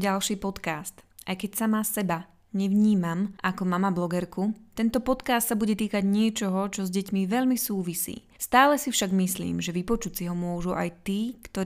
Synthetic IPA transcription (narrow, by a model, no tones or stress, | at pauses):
ɟalʃiːpɔt̪kaːst̪ | ʔajkɛcsamasɛba | ɲɛʋɲiːmamʔakɔmamablɔɡɛɾkut̪ɛnt̪ɔpɔt̪kaːst̪sabuɟɛt̪iːkaɟɲɪɛt͡ʃɔɦɔt͡ʃɔzɟɛcmiʋɛʎmisuːʋisḭː | st̪aːlɛsifʃaɡmislḭːmʒɛʋipɔt͡ʃut͡siɦɔmʊɔʒuʔa̰jt̪iːkt̪ɔ